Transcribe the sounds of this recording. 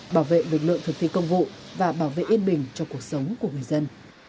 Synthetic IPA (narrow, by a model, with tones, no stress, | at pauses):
ɓaː˧˩wvḛ˧˨lɨ˨˩k̚lɨ̰˧˨əŋt̪ʰɨ˨˩k̚t̪ʰi˧˨kə˧wŋ͡mvṵ˧˨ | vaː˨˩ɓaː˧˩wvḛ˧˨ʔi˧ənɓï˨˩ŋ̟t͡ɕɔ˧ku˨˩ək̚sə˨˦wŋ͡mku˧˩əŋɨ˨˩əjzə˧n